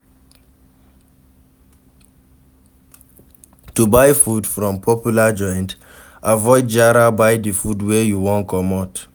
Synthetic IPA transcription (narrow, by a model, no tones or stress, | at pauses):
tubaɪfudfɹɔ̃mpʰɔpjulad͡ʒɔ̃ɪ̃nd | avɔɪd̚d͡ʒaɾabaɪdifudwejuwɔ̃nkʰɔmat